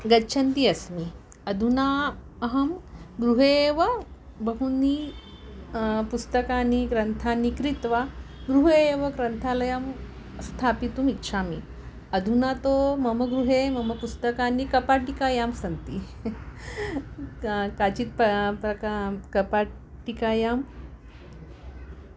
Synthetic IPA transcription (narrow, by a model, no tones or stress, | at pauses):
ɡɐɕʰɐnt̪iɐsmi | ɐd̪ʱuna | ɐɦɐmɡɾuɦeʋə | bəɦuni | pust̪əkanikɾɐnt̪ʰanikɾit̪ʋaɡɾuɦeʋəɡɾɐnt̪ʰalɐjəm | st̪ʰapit̪uːmitːɕʰamḭ | ɐd̪ʱunat̪omɐməɡɾuɦemɐməpust̪əkanikɐpaʈikajamsɐnt̪i | kat͡ɕiːt̪̚ppɾɐkakɐpaʈikajam